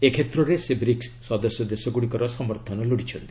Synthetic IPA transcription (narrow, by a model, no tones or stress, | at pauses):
ekʰet̪ɾoɾesebɾiksːɔd̪əsjɔd̪esɔɡuɽikɔɾɔsɔməɾt̪ʰɔnɔloɽit͡ʃʰəɽd̪i